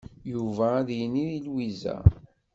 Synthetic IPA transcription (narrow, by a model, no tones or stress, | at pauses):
juvæːðjəniðilwizæ̰